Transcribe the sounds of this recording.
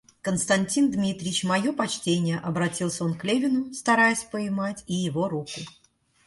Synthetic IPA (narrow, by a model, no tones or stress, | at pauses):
kənst̪ɐnʲtʲind̪mʲit̪ɾʲɪɪt͡ɕmɐjo̞pɐt͡ɕtʲenʲɪjəʔɐbɾɐtʲilˠsʲəo̞nklʲevʲɪnʊst̪ɐɾajɪsʲpəɪmatʲijɪvo̞ɾukʊ